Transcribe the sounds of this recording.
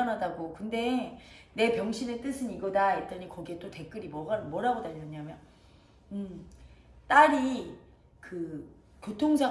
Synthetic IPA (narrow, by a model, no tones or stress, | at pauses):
anɦadaɡokɯnde̞ne̞pjʌŋɕʰinet͈ɯsʰɯniɡʌdait͈ʌɲikʌɡie̞t͈ote̞k͈ɯɾimwʌɡamwʌɾaɡodaʌɲamjʌn | ɯm | t͈aɾi | kɯ | kjotʰoŋd͡ʑa